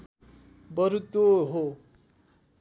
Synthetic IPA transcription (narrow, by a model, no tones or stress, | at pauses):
bʌɾut̪oɦo